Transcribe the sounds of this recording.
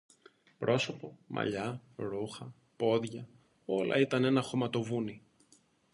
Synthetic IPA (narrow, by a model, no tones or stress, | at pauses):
pɾʔo̞so̞po̞mʔɐ̰ʎɐɾuxɐ | po̞ðʝɐ | o̞lɐ̰it̪ɐne̞nɐxo̞mɐt̪o̞vuni